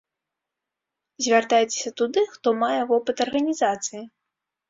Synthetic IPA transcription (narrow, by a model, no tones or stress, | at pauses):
zʲvʲart̪ajɛt͡sʲe̥sʲɐt̪ud̪ɨxt̪ɔmajɛvɔpɨt̪ɐrɣɐnʲizat̪sɨji